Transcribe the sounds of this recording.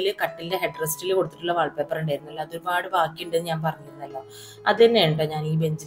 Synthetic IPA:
lɨkɐʈːilde̞ɦeʈːrɐstilko̞ɽut̪ːi̥ʈːuɭːɐʋɐɭpːepːɐruɳɖajiɾunːɐlːoɐðo̞ɾubaːɽɨbaːkːijuɳɖenːɨɲaːnpɐrɐɲːuɾunːɐlːo | ɐðenːeːɳʈːeɲaːniːbe̞ɲd͡ʑiɾ

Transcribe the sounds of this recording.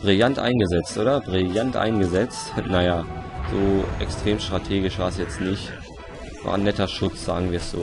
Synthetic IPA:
b̥ʁɪljantʔa̰ɪnɡəzɛt͡stʔoːdɐbʁɪljantʔa̰ɪnɡəzɛt͡stnajaz̥oːʔɛkstʁ̥eːmʃtʁ̥atʰeːɡɪʃv̥aːs̬jɛt͡stnɪçt | va̰ːɐnːɛtɐʃʊt͡sz̥a̰ːɡŋ̩viːɐsz̥o̰ː

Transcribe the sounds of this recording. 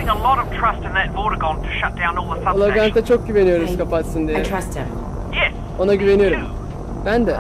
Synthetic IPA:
ɪ̃ŋəlɔɾəv̥tʰɹ̥ʌstɨ̃nðət̚b̥ɔːɾəɡɔ̃ntʰə̥ʃʌt̚d̥ãʊ̃nɔːlˠðəsʌlˠaɡant̪ʰat͡ʃʰok̚ɟyve̞nijo̞ɾuzkapat̪sɯnd̪ijɛst | jɛs | o̞naɟyve̞nijo̞ɾum | b̥ænd̪ɛ

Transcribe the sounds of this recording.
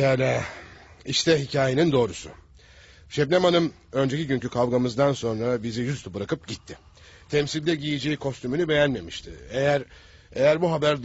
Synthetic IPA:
jaːlʲa | iʃt̪ʰɛɦicʰaːjenind̪o̞ːɾusʊ̰ | ʃɛbnemanɯm | ø̞nd͡ʒeciɟyɲcykʰavɡamɯzd̪anso̞nɾabizijyst̪ubɯɾakɯp̚ɟit̪ʰːɪ | t̪ʰɛmsilʲd̪ɛɟijid͡ʒeikʰo̞st̪ymynybe̞jænme̞miʃt̪ʰḭejæɾ | e̞jæɾbuɦabæɾ

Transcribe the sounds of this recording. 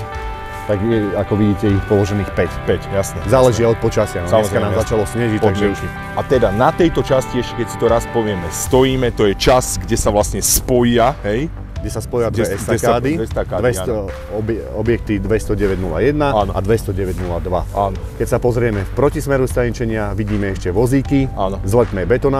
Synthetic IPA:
t̪aɡjɛakɔʋiɟiːcɛiɔt̪pɔlɔʒɛniːxpɛcpɛcjasnɛzaːlɛʒiaɔt̪̚pɔt͡ʃasɪanɔsamɔɾkannaːmzat͡ʃalɔsɲɛʒic̚tp̪aɡʒɛ | at̪ɛd̪anat̪ɛjt̪ɔt͡ʃasciɛʃcɛkɛcsi̥t̪ɔɾaspɔʋɪɛmɛst̪ɔjiːmɛt̪ɔjɛt͡ʃasɡɟɛsaʋlasɲɛspɔjaɦɛj | ɡɟɛsaspɔjɪad̪ɛɛst̪aɛkaːd̪iɛst̪akad̪ʋɛɔ | ɔbɛɔbjɛk̚t̪id̪ʋɛst̪ɔɟɛʋɛɟnula̰jɛd̪naaʔad̪ʋɛst̪ɔɟɛʋɛɟnulad̪ʋa̰anɔkɛcsapɔzɾɪɛmɛfpɾɔcismɛɾust̪ajɛɲt͡ʃɛɲɪaʋiɟiːmɛɛʃcɛʋɔziːkianɔzlɛt̪mɛbɛt̪ɔna

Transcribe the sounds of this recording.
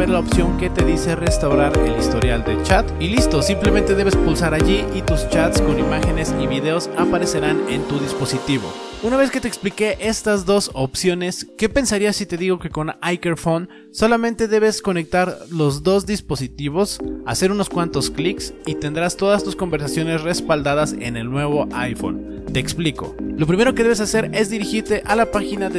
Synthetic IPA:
eɾlaopsjo̞ŋke̞t̪e̞ðise̞re̞st̪awɾaɾḛlist̪o̞ɾjald̪e̞̰t͡ʃat̪ilist̪o̞simple̞ment̪e̞ðe̞βe̞spulsaɾaʝiʔit̪ust͡ʃat̪sko̞nimaxe̞ne̞siβiðe̞o̞sapaɾe̞se̞ɾane̞nt̪uðispo̞sit̪iβo̞̰unaβe̞ske̞t̪eːksplike̞ʔe̞st̪azðo̞so̞psjo̞ne̞ske̞pe̞nsaɾiasit̪e̞ðiɣo̞ke̞ko̞najkeɾfo̞n | so̞lamẽ̞nt̪e̞ðe̞β̞e̞sko̞ne̞k̚t̪aɾlo̞zðo̞zðispo̞sit̪iβo̞sase̞ɾuno̞skwant̪o̞skliksit̪e̞nd̪ɾast̪o̞ð̞ast̪usko̞mbe̞ɾs̬asjo̞ne̞sre̞spald̪aðase̞̰ne̞lnwe̞β̞o̞ʔajfo̞̰n | t̪e̞ːkspliko̞̰lo̞p̬ɾime̞ɾoke̞ðe̞βesase̞ɾe̞zðiɾixiɾt̪e̞ʔalapaxinaðe

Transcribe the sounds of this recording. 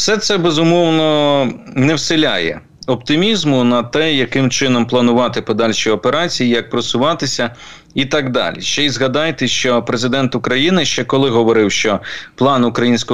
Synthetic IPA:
sɛt̪sɛbezʊmɔwnɔnɛwsɪlʲa̰jɛ̰ | ɔpt̪ɪmʲizmʊnɐt̪ɛjɐkɪmt͡ʃɪnɔmplˠɐnʊʋɑt̪ɪpɔd̪ɑlʲʃiɔpeɾɑt͡sʲijijɐk̚pɾɔsʊʋɑt̪ɪsʲɐ | it̪ɑɡd̪ɑ̰lʲḭʃt͡ʃɛjzɣɐd̪ɑjt̪ɪʃt͡ʃɔpɾezɪd̪ɛnt̪ʊkɾɐjinɪʃt͡ʃɛkɔlˠɪɦɔʋɔɾɪwʃt͡ʃɔplˠɑnʊkɾɐjinʲsʲkɔ

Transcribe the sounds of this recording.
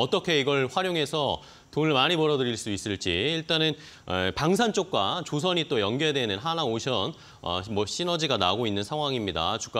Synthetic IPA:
ʌt͈ʌkʰe̞iɡʌɭɸwaɾjoŋe̞sʰʌ | tonɯɭmaɲimʌɾʌdɯɾiɭs͈uis͈ɯɭt͡ɕ͈iiɭt͈anɯn | epaŋs̬ʰant͡ɕ͈ok̚k͈wat͡ɕos̬ʰʌɲit͈ojʌnɡjʌedenɯnɦanaoɕʰjʌn | ʌ̰mʌɕ͈ʰinʌd͡ʑiɡana̰ɡoinːɯnsʰaŋɦwaŋimɲida̰t͡ɕu̥k͈a

